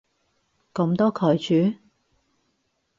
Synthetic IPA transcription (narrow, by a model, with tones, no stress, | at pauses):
kɔ˨˥mt̪ɔː˥kʰɔː˨˩jt͡ʃyː˨˥